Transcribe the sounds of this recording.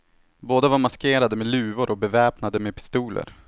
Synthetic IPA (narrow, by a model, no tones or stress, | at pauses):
boːd̪avaɾmaskeːɾad̪əmeːlʉ̟ːvʊɾʔɔbɛvɛːpnad̪əmeːpʰɪ̥st̪uːlʔə̰ɾ